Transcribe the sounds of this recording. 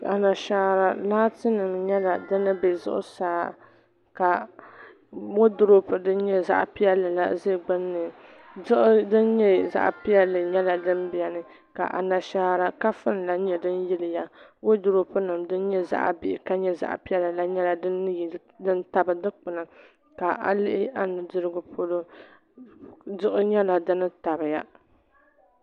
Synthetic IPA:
a˨na˨ʃaː˦ɾa˦laː˦tɨ˦nɨ˨mɲɛ˦la˨dɨ˦nːɨ˦be˨zʊ̰˦ʔʊ̰˦saː˦ | ka˨ | wo˦dʊ˦ɾo˦pɨ˨dɨ˦n˦ɲɛ˦za̰˦ʔpi˦jɛ˦lɨ˨la̰˦ze˦˨ɡ͡bɨ˦nːɨ˨ | zʊ˦ʔʊ˦dɨ˦nɲɛ˦za̰˦ʔpi˦jɛ˦lːɨ˨ɲɛ˦la˨dɨ˦n˦bi˦˨ɛ˨nɨ˨ | ka̰˨ʔa̰˨na˨ʃaː˦ɾa˦ka˦fɨ˦n˨la˨ɲɛ˦dɨ˦n˦jɪ˦lɨ˨ja˨wo˦dʊ˨ɾo˦pɨ˦nɨ˨mdɨ˦n˦ɲɛ˦za̰˦ʔbɪ˦˨ʔɪ˨ka˦ɲɛ˦za̰˦ʔpi˦ɛ˦lɨ˨la˦ɲɛ˦la˨dɨ˦nːɨ˦j | dɨ˦n˦ta˨bɨ˨dɨ˦k͡pɨ˨na˨ | ka˨ʔa̰˨lɪ˦ʔɪ˦ʔa˦nɨ˨dɨ˦ɾɨ˦ɡʊ˦pʰo˦lo˦ | dɨ˦ʔʊ˦ɲɛ˦la˨dɨ˦nɨ˦ta˨bɨ˨ja˦

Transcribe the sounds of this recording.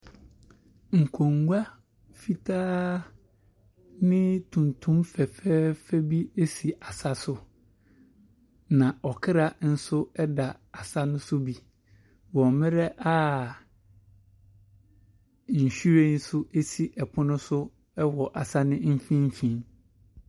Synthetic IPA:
ŋ̩˨kʰõ˨ŋɡʷa˦ | fi˦tʰaː˦ | nɪ̃˦tʰũ˨n˨tʰũ˦mfɛ˨fɛ˦fɛ˦bi˦e˦si˨ʔa˨sa˦sʊ˨ | nã˨ʔɔ˨kʰɪ˦ɾa˨n̩˦sʊ˦ɛ˦da˨a˨sa˦nʊ̃˦sʊ˦bi˨ | wɔ̃˨mmɪ̃˦ɾɛ˦ʔa˦ | n̩˨ɕu˦ɾe˦n̩˦sʊ˦ʔe˦si˨ʔɛ˨pʰʊ˦nʊ̃˦sʊ˦ | ɛ˦wɔ˨ʔa˨sa˦nɪ̃˦m̩˦fĩ˦m̩˦fĩ˦n

